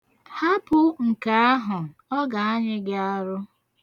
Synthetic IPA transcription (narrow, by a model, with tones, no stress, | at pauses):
ha˦pʊ˦ŋ̩˨ka˨a˦ɦʊ˨ɔ˦ɡa˨a˦ɲɪ˦ɡɪ˦a˦ɾʊ˦